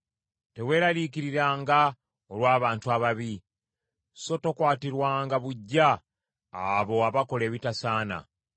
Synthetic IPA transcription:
te̞we̞ːɾalikiɾiɾaːŋɡa | olwaːβaːntuaβaβi | so̞tokwaːtiɾwaːŋɡaβuɟːaː | βo̞aβako̞le̞ːβitasaːna̰

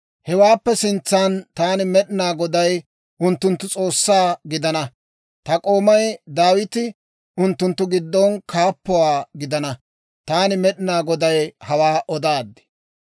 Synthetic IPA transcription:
hɛwaːpːɛsɪnt͡sːant̪aːnɪmɛɗɪnaːɡɔd̪ɐj | ʔʊnt̪ːʊnt̪ːʊt͡sʼo̞ːsːaːɡɪd̪ɐnɐ | t̪ɐkʼo̞ːmɐjd̪aːwɪt̪ɪ | ʊnt̪ːʊnt̪ːʊɡɪd̪ːɔnkʰaːpːɔwaːɡɪd̪ɐnɐ | t̪aːnɪmɛɗɪnaːɡɔd̪ɐjhɐwaːʔɔd̪aːd̪ːɪ̥

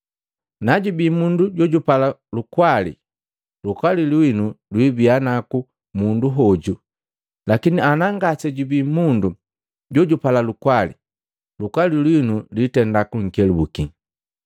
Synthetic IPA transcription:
naɟubimunduɟɔɟupalalukwalḭ | lukwalilwinulwibianaku | munduɦɔɟu | lakinianaŋɡasɛɟubimundu | ɟɔɟupalalukwalḭ | lukwalilwinulitɛndakuŋ̩kɛlubuki

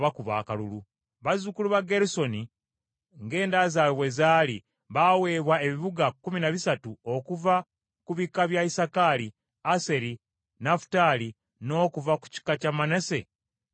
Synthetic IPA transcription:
βakuβa̰ːkalulu | βazukuluβaɡeɾuso̞ni | ŋɡe̞ːndazalowezaːli | βawe̞ːβwae̞βiβuɡakːuminaβisatuo̞kuva | kuβikːaβjaisakali | ase̞ɾi | nafu̥tali | no̞ːkuvaku̥ci̥kːacamanese̞

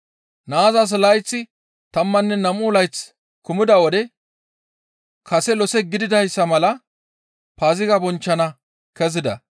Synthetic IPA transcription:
naːzɐs̬lɐjt͡sːɪ | t̪ɐmːɐnːɛnɐmuːlɐjt͡sː | kʊmɪd̪ɐwɔd̪ɛ | kʰɐsɛlɔsɛɡɪd̪ɪd̪ɐjsːɐmɐlɐ | paːzɪɡɐbɔnt͡ʃːɐnɐ | kɛzɪd̪ɐ̰

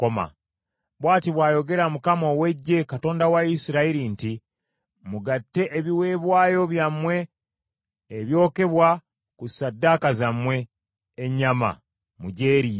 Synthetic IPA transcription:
ko̞ma̰ | βwaːtiβwaːjo̞ɡe̞ɾamukamo̞we̞ɟːe̞kato̞ːndawaisiɾaiɾinti | muɡatːe̞ʔːβiwe̞ːβwaːjo̞βjamwe̞ | βjo̞ːke̞βwa | kusadːakazamwe̞ː | ɲama̰ | muɟe̞ːɾi

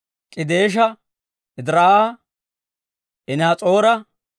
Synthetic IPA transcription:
kʼɪd̪eːʃ̬ɐ | ɪd̪ɾaːa | ʔɪnaːt͡sʼo̞ːɾɐ

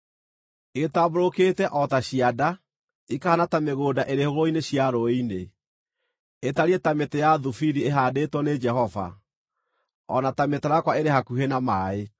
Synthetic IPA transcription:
eɣetaboɾoketɛʔɔtaɕiada | ikahanatameɣoːdaʔeɾehoɣoineɕiaɾoine | etaɾiɛtametejaðufiɾieɦadetwɔned͡ʒɛɦɔva̰ | ɔ̰natametaɾakwaeɾehakuɦenamaːe

